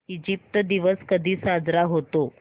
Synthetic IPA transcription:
id͡ʑip̚t̪d̪iʋəskəd̪ʱiːsad͡zɾaɦot̪o

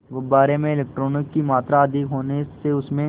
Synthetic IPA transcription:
ʋobaːɾemẽɪleːk̚ʈɾoːnɪkːimaːt̪ɾaɐd̪ɪkɦoːneseʊsmẽ

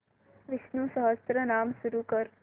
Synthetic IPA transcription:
ʋɪsnuːsəɦəst̪ɾənaːmsuɾukəɾ

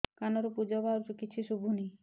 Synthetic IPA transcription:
kanɔɾopud͡ʒɔbaɾt͡ʃukitːʃʰiʃubʱuni

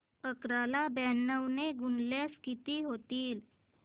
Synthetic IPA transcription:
əkɾalabɛnːəwneɡunleskit̪iːɦot̪iːl

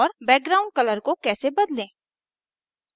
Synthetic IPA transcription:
ɔːɾbɛːk̚ɡɾaːʊ̃ɳɖ̚kɐləɾkokɛːsebɐd̪lẽː

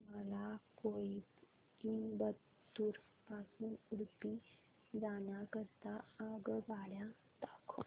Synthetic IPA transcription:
məlakoi | iːnbə | t̪ːuːɾ | pasuːnuɽpi | d͡zanjakəɾt̪aaɡɡaɽja | t̪akʰo

